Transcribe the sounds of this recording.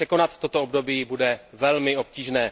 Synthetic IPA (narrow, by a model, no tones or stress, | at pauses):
ɛko̞nat̪ːot̪oobdo̞biːbudɛvɛlmɪo̞p̚ciːʒnɛː